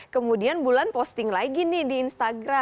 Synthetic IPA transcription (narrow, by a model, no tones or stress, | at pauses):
kəmudianbulanpɔst̪ɪŋlaiɡinidiːnst̪aɡɾa